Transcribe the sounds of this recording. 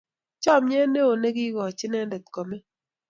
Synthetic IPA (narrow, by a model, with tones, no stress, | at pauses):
t͡ʃɔ˦˨mɲɛ˦ne˦o˨ne˦ɡi˦ɡɔ˨t͡ʃɪ˦nɛ˦dɛ˨t̪̚kɔ˨mɛ˦